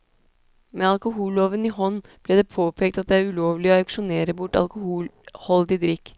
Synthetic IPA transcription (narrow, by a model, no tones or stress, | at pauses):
meːɑlkʊɦuːloːʋənihɔnːb̥lɛːd̪ɛpʰoːpʰeːk̚t̪ɑt̪̚d̪ɛæɾʉloːʋlɪɔɑʉkʂʊneːɾəbʊʈːɑ̰lkʊhuːlhɔld̪ɪd̪ɾɪkː